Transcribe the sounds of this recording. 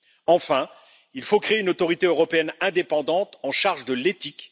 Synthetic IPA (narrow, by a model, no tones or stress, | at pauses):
ɑ̃fɛ̃ | ilfokχeeynot̪ɔʁit̪eøʁɔpeɛnɛ̃d̪epɑ̃d̪ɑ̃t̪ɑ̃ʃaʁʒd̪əlet̪ik